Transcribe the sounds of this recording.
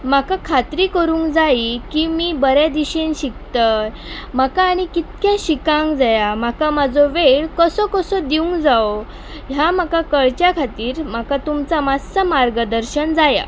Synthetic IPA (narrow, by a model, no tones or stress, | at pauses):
makakʰat̪ɾiːkəɾuːŋɡd͡zaikimiːbəɾjad̪iɕẽnɕikt̪ə | makaːɽ̃ikit̪̚kjãɕikãŋɡd͡zajamakamad͡zɔʋeɭkəsɔkəsɔd̪iũŋɡd͡zao | ɦjamakakəɭt͡ɕjakʰat̪iːɾmakat̪umt͡samasəmaɾɡəd̪əɾɕənd͡zaja̰